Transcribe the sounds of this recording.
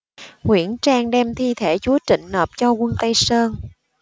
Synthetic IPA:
ŋwḭ˧˩ənt͡ɕaː˧ŋɗɛ˧mt̪ʰi˧t̪ʰe˧˩t͡ɕu˨˦ət͡ɕḭ̈˧˨ŋ̟nəː˨˩p̚t͡ɕɔ˧ɣwə˧nt̪ə˧jsəː˧n

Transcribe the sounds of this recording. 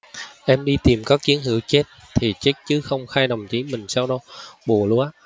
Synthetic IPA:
ʔɛ˧mɗi˧t̪i˨˩mkɔː˨˦˥k̚t͡ɕi˨˦ənhɨ̰˧˩əwt͡ɕe˦˥t̚ | t̪ʰi˨˩t͡ɕe˦˥t̚t͡ɕɨ˨˦xə˧wŋ͡mxaː˧jɗə˨˩wŋ͡mt͡ɕi˨˦mï˨˩ŋ̟saː˧wɗɔ˧ɓu˨˩əlu˧ʔa˦

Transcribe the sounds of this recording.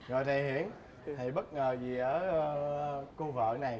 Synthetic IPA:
zɔ̰˨˩jt̪ʰa˨˩jɦi˧˥ənʰ | a˨˩jɓə˦˥t̚ŋəː˨˩zi˨˩ʔəː˧˦˧ku˧və̰ː˧˨na˨˩j

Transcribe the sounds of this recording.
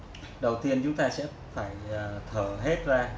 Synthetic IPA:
ɗə˨˩wt̪i˧ənt͡ɕʊ˨˦ŋ͡mt̪aː˧sɛ̰˧˥ | faː˧˩jt̪ʰəː˧˩ɦe˦˥t̚zaː˧

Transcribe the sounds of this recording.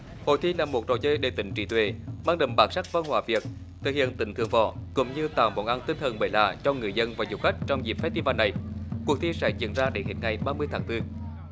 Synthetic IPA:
ho̰˧˨jt̪ʰi˧laː˨˩mo˨˩t̚ɗo̰˨˩jt͡ɕəː˧jɗe˨˩t̪ï˧˨˦ŋ̟t͡ɕḭ˧˩t̪wḛ˧˨maː˧ŋɗə̰˨˧˩mɓaː˨˩nsa˦˥k̚va˧nhwaː˧˩vi˨˩ək̚ | t̪ʰɨ̰˨˩k̚hḭ˧˨ənt̪ï˧˩ŋt̪ʰɨ˨˧əŋvɔ̰˧˩kʊ̰˧˥ŋ͡mɲɨ˧t̪a̰ː˧˩wmo̰˧˩nʔa˧nt̪ï˧nt̪ʰə˨˩nɓəː˨˩jla̰ː˧˨t͡ɕɔ˧ŋɨ˨˩əjzə˧nvaː˨˩zʊ˨˩k͡p̚xa˦˥jk̟̚t͡ɕɔ˧wŋ͡mzi˨˩p̚fɛ˦˥t̪i˧vaː˧˩nːa˨˩jku˨˩ək̚t̪ʰi˧sɛ̰˧˥zḭ˧˨ənzaː˧ɗe˧˦hḭ˨˧˩n̚ŋa˨˩jɓaː˧mɨ˧əjt̪ʰːŋt̪ɨ˧

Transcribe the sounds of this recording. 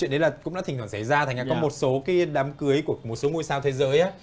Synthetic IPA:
ḭ˧˨nɗə˨˦laː˨˩kʊ̰˧˥ŋ͡mɗaː˧˥i˨˩t̪waː˧˩sa˧˩jzaː˧t̪ʰa˨˩ŋlaː˨kɔ˨˦mo˨˩t̚so˨˦kaː˨˦jɗaː˨˦mkɨ˨˦əjku˧˩əmo˨˩t̚so˨˦ŋu˧əjsaː˧wt̪ʰe˨˦zəː˨˦jʔaː˨˦

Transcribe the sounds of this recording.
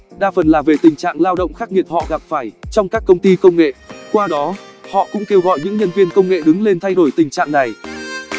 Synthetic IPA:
ɗaː˧fə˨˩nlaː˨˩ve˨˩t̪ï˨˩ŋ̟t͡ɕa̰ː˧˨ŋlaː˧wɗə̰˧˨wŋ͡mxaː˦˥k̚ŋi˨˩əp̚hɔ̰˧˨ɣa˨˩p̚faː˧˩jt͡ɕɔ˧wŋ͡mkaː˦˥kːə˧wŋ͡mt̪i˧kə˧wŋ͡mŋḛ˧˨kwaː˧ɗɔ˨˦hɔ̰˧˨kʊ̰˧˥ŋ͡mke˧wɣɔ̰˧˨jɲɨ̰˧˥ŋɲə˧nvi˧ə˧nkə˧wŋ͡mŋḛ˧˨ɗɨ˨˦ŋle˧nt̪ʰa˧jɗo˧˩jt̪ï˨˩ŋ̟t͡ɕa̰ː˧˨ŋna˨˩j

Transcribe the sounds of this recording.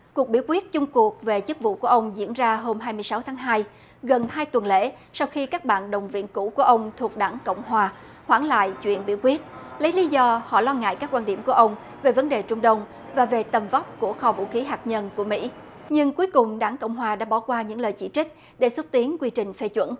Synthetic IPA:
ku˨˩ək̚ɓḭ˧˥wkwi˦˥ət̚t͡ɕʊ˧ŋ͡mku˨˩ək̚ve˨˩t͡ɕɨ˦˥k̚vṵ˧˨ku˧˩əʔə˧wŋ͡mzḭ˧˥ənzaː˧ɦo˧mɦaː˧jmɨ˧əjsa˨˦wt̪ʰaː˨˦ŋɦaː˧j | ɣə˨˩nhaː˧jt̪wə˨˩nlḛ˧˥ | sa˧wxi˧kaː˦˥k̚ɓa̰ː˧˨nɗə˨˩wŋ͡mvḭ˧˨nkṵ˧˥ku˧˩əʔə˧wŋ͡mt̪ʰu˨˩ək̚ɗaː˧˩ŋkə̰˧˨wŋ͡mhwaː˨˩ | hwaː˧˩ŋla̰ː˧˨jt͡ɕwḭ˧˨ənɓḭ˧˩əwkwi˦˥ət̚lə˨˦jli˨˦zɔ˧hɔ̰˧˨lɔ˧ŋa̰ː˧˨jkaː˦˥k̚ːwaː˧nɗḭ˧˩əmku˧˩əʔə˧wŋ͡m | ve˨˩və˨˦nɗe˨˩t͡ɕʊ˧ŋ͡mɗə˧wŋ͡m | vaː˨˩ve˨˩t̪ə˨˩mva˦˥wp̚ku˧˩əxɔ˧vṵ˧˥xi˨˦ɦaː˨˩k̚ɲə˧nku˧˩əmḭ˧˥ | ɲɨ˧ŋku˨˦jkʊ˨˩ŋ͡mɗaː˧˩ŋkə̰˧˨wŋ͡mɦwaː˨˩ɗa̰ː˧˥ɓɔ˧˩kwaː˧ɲɨ̰˧˥ŋləː˨˩jt͡ɕḭ˧˩t͡ɕï˦˥k̟̚ | ɗe˧˩swə˦˥t̚t̪i˨˦ənkwi˧t͡ɕï˨˩ŋ̟fe˧t͡ɕwə̰˧˥n

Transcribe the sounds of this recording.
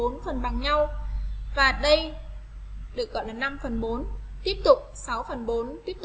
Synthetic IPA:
o˨˦nfə˨˩nɓa˨˩ŋɲa˧wvaː˨˩ɗə˧j | ɗɨ˨˩ək̚ɣɔ̰˧˨laː˨˩na˧mfə˨˩nɓo˨˦nt̪i˦˥əp̚t̪ʊ˨˩k͡p̚sa˨˦wfə˨˩nɓo˨˦nt̪i˦˥əp̚t

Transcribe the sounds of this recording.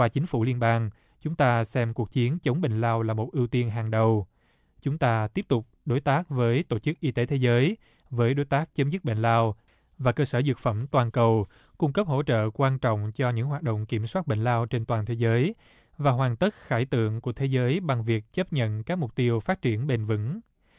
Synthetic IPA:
waː˧t͡ɕï˨˦ŋ̟fu˧˩li˧ənɓaː˧ŋ | t͡ɕʊ˨˦ŋ͡mt̪aː˧sɛ˧mku˨˩ək̚t͡ɕi˨˦ənt͡ɕə˨˦wŋ͡mɓḛ˧˨ŋ̟laː˧wlaː˨˩mo˨˩t̚ʔi˧əwt̪i˧ənɦaː˨˩ŋɗə˨˩w | t͡ɕʊ˨˦ŋ͡mt̪aː˧t̪i˦˥əp̚t̪ʊ˨˩k͡p̚ɗo˨˦jt̪aː˦˥k̚vəː˨˦jt̪o˧˩t͡ɕɨ˦˥k̚ʔi˧t̪e˨˦t̪ʰe˨˦zəː˨˦j | vəː˨˦jɗo˨˦jt̪aː˦˥k̚t͡ɕə˨˦mzɨ˦˥t̚ɓḛ˧˨ŋ̟laː˧w | vaː˨˩kəː˧səː˧˩zɨ˨˩t̚fə˧˩mt̪waː˨˩nkə˨˩w | kʊ˧ŋ͡mkə˦˥p̚ho̰˧˥t͡ɕə̰ː˧˨kwaː˧nt͡ɕɔ̰˧˨wŋ͡mt͡ɕɔ˧ɲɨ̰˧˥ŋɦwaː˨˩t̚ɗo̰˧˨wŋ͡mki˧˩əmswaː˦˥t̚ɓḛ˧˨ŋ̟laː˧wt͡ɕe˧nt̪waː˨˩nt̪ʰe˨˦zəː˨˦j | vaː˨˩ɦwaː˨˩nt̪ə˦˥t̚xaː˧˩jt̪ɨ̰˧˨əŋku˧˩ət̪ʰe˨˦zəː˨˦jɓa˨˩ŋvi˨˩ək̚t͡ɕə˦˥p̚ɲə̰˧˨nkaː˦˥k̚m˨˩k͡p̚t̪i˧əwfaː˦˥t̚t͡ɕi˧˩ənɓe˧˩nvɨ̰˧˥ŋ

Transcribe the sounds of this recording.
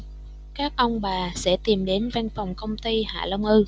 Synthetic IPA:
kaː˦˥k̚ʔə˧wŋ͡mɓaː˨˩sɛ̰˧˥t̪i˨˩mɗe˨˦nva˧nfwŋ͡mkə˧wŋ͡mt̪i˧ha̰ː˧˨lə˧wŋ͡mʔɨ˧

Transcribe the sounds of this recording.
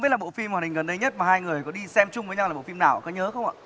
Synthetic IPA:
i˦˥t̚la˨˩o̰˧˨fi˧mː˨˩˨ï˨˩ŋ̟ɣə˨˩nɗə˧jɲə˦˥t̚maː˨˩haː˧jŋɨ˨˩əjkɔ˨˦ɗi˧sɛ˧mt͡ɕʊ˧ŋ͡mvəː˨˦jɲa˧wa˨˩ɓ̰fi˧mnaː˨˩wʔkɔ˨˦ɲəː˨˦xə˧wŋ͡mʔa̰ː˨

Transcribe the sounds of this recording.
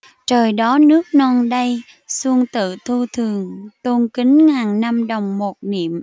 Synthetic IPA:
t͡ɕəː˨˩jɗɔ˨˦nɨ˦˥ək̚nɔ˧nɗə˧j | su˧əŋt̪ɨ̰˧˨t̪ʰu˧t̪ʰɨ˨˩əŋt̪u˧ŋki˨˦ŋŋaː˨˩ŋna˧mɗə˨˩wŋ͡mmo˨˩t̚nḭ˧˨əm

